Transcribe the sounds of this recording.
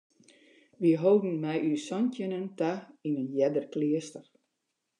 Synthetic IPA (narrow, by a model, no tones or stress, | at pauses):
ʋiɦowdən̩mɛjʔysɔntjənəntainənjɛdərklɪəstər